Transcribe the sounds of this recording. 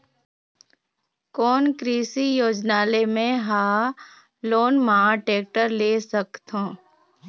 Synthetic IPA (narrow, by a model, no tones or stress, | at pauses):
kɔːnkɾiːsijoːd͡ʒnaːlemẽɦãː | loːnməɦãʈeːk̚ʈəɾleːsəkt̪ɦõː